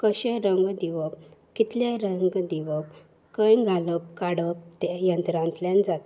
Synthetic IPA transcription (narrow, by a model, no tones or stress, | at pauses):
kəɕeɾəŋɡd̪iʋəpkit̪ljaɾəŋɡd̪iʋəp̚ | kə̃jɡʱaləp̚kaɽəp̚t̪ejənt̪ɾãnt̪ljãnd͡zat̪